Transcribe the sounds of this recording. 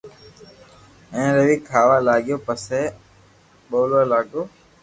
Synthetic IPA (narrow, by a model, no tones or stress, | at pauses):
ẽːɾəʋiːkʰaːʋaːlaːɠɪjoːpəseː | ɓoːlolaːɠoː